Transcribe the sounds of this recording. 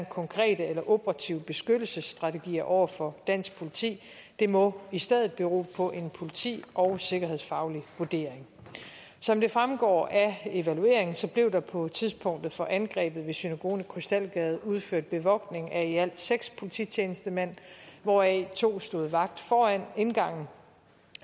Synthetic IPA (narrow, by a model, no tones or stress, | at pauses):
nkʰɒ̽ŋkʰʁɛ̰ːd̥əelɐʔob̥ʁɑ̈t͡sʰiʊ̰əb̥e̝sɡ̥ød̥l̩səsːd̥ʁɑ̈t͡sʰe̝ɡ̥ḭːɐʔɒʊ̰ɐfɒ̽d̥æn̰sɡ̥̚pʰo̝lit͡sʰḭː | d̥e̝mɔ̽isd̥eð̰ˠð̩ˠb̥eʁo̝̰ːpʰɒ̽ʔe̝npʰo̝lit͡sʰḭːʔɒʊse̝ɡ̥ɐhe̝ðˠsfɑ̈ʊliʋuɐd̥e̝̰ɐ̰eŋ | sɒ̽md̥e̝fʁamɡ̥ɒ̰ːæe̝ʋælue̝̰ɐ̰e̝ŋn̩sɒ̽b̥le̝ʊd̥ɑ̈pʰɒ̽t͡sʰiðˠspʰɔ̽ŋ̰d̥ð̩ˠfɒ̽ʔænɡ̥ʁɛ̰ːb̥ð̞̩ˠʋe̝synæɡ̥o̝̰ːnkʰʁysd̥æl̰ɡ̥ɛːð̞̩ˠuð̞ˠføɐ̰d̥̚b̥e̝ʋɒ̽ɡ̥ne̝ŋæiæl̰d̥seɡ̥spʰo̝lit͡sʰḭːt͡sʰjeːnəsd̥əmæn̰ʋɒɛ̰t͡sʰo̝̰ːsd̥o̝ːð̞̩ˠʋɑ̈ɡ̥̚d̥fɒːænenɡ̥ɑ̈ŋ̰n̩